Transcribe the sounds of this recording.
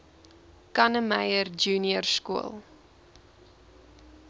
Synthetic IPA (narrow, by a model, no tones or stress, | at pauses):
kɐnəmɛjərd͡ʒuːniərskuə̰lˠ